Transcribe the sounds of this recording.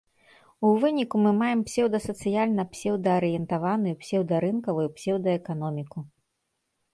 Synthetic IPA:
uvɨnʲikumɨmajɛmpsʲɛwd̪ɐsɐt̪sɨjalʲnɐpsʲɛwd̪ɐːɾɨjɛnt̪avanɨjupsʲɛwd̪ɐɾɨnkɐvɐjupsʲɛwd̪ɐɛkan̪ɔmʲiku

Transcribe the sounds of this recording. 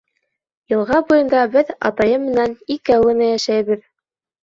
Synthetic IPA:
jɤ̆lˠʁɑbujɤ̆nd̪ɑbɘðɑ̰t̪ɑjɤmːɘ̆nænikæwɘ̆nɘjæʃæjβɘð

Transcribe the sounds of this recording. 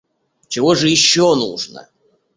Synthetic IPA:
t͡ɕɪvoʐɨjɪɕːonṵʐnə̰

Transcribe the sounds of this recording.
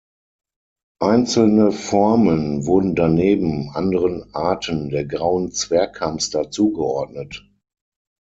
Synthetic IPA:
ʔaɪnt͡sl̩nəfɔɐmənvʊɐdn̩daneːbm̩ʔandəʁənʔaɐtʰəndeːɐɡʁaʊənt͡sv̥ɛɐkʰːamstɐt͡suːɡəʔɔɐdnət

